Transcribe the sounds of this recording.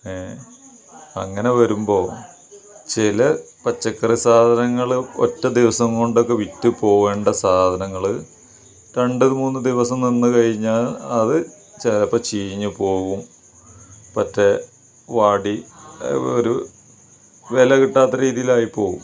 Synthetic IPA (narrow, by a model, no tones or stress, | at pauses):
e | ɐ̰ŋːɐne̞ʋɐɾumbo̞ː | t͡ɕilɐpɐt͡ɕːɐkːɐrisaːd̪ʱɐnɐŋːɐɭɨo̰tːɐd̪iʋɐsɐŋkoɳɖo̞kːe̞ʋitːupo̞ːɣe̞ːɳɖɐsaːd̪ʱɐnɐŋːɐɭɨ | ɾe̞ɳɖɨðmuːnːɨd̪iʋɐsɐmninːɨkɐɻiɲːaːlɐðɨ | t͡ɕelɐpːɐt͡ɕiːɲːɨpo̞ːɣum | pɐtːe | ʋaːɽi | oɾu | ʋelɐkiʈːaːt̪ːɐɾiːðijilaːjipo̞ːɣṵm